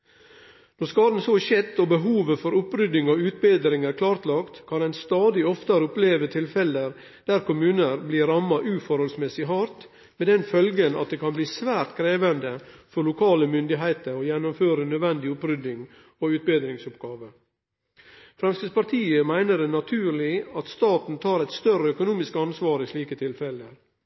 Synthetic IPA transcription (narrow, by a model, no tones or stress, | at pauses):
nɔɾskɑːd̪n̩soʃɛt̪ːobəɦuːʋəfɔɾʊpɾʏd̪ɪŋoːʉːt̪beːd̪ɾɪŋæːɾkʰlɑːɾt̪lɑkt̪kʰɑnæɪnst̪ɑːd̪ɪɔft̪ɑɾʊpleːʋət̪ʰɪlfɛləɾ | d̪̥æɾkʊmʉːnəɾbliːɾɑmɑʔʉːfɔɾhɔlsmɛsɪɦɑɾt̪ | mɛd̪ɛnfœlɡənɑ̰t̪̚d̪eːkʰɑnbliːsʋæːɾt̪kʰɾeːʋənd̪əfɔɾɭʊkʰɑːləmʏnd̪ɪɦæɪt̪əɾɔjɛnːʊmføːɾənœd̪ʋɛnd̪ɪʊpɾʏd̪ɪŋ | oʉːt̪̚beːd̪ɾɪŋsʊpɡɑːʋə | fɾɛmskəspɑɾt̪ʰiːəmæɪnəd̪ɛnɑt̪ʰʉːɾɭɪɑt̪st̪ɑːt̪n̩t̪ʰɑːɾɛɪt̪st̪œɾəœkʊnuːmɪskɑnsʋɑːɾɪʂɭiːkət̪ʰɪlfɛləɾ